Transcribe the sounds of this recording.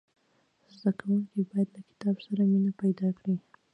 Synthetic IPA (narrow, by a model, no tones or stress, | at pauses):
zd̪akawuŋkibɑjad̪lakɪ̥t̪ɑbsaɾaminapajd̪ɑkɽi